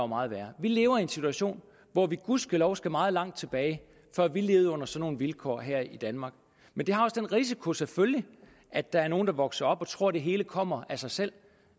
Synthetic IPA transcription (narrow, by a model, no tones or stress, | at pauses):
ʊmɑ̈ːð̩ˠʋæːɐʋile̝ːʊɐiensit͡sʰuæɕo̝̰ːn | ʋɒʋiɡ̥uðˠsɡ̥ælɒʊsɡ̥æmɑ̈ːð̞̩ˠlɑ̈ŋ̰d̥̚t͡sʰe̝b̥ɛːɪ | fɶɐ̰ʋile̝ːʊð̩ˠɔ̽n̰ɐsɒ̽no̝ːn̩ʋilkʰɒ̰ːɦæɐ̰id̥ænmɑ̈ːɡ̥̚ | mend̥e̝hɑ̈ɒ̽sd̥enʁis̬ikʰo̝seføljə | ʔæ̥ɑ̈æɐno̝ːnd̥ɑ̈ʋɒ̽ɡ̥sɐɒ̽b̥ɒ̽t͡sʰʁo̝ɐ̰d̥e̝ɦe̝ːləkʰɒ̽m̰ɐæsɑ̈ɪsel̰